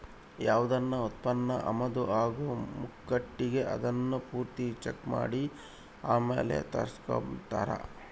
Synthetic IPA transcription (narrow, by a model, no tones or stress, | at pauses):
jaːʋud̪ɐnːɐut̪̚pɐnːɐʔɐmɐd̪uʔaːɡumukːɐʈːiɡe̞ʔɐ̰d̪ɐnːupuːɾt̪it͡ʃekma̰ːɽi | aːmeːlḛt̪ɐ̰ɾsko̰mt̪ɐ̰ɾɐ̰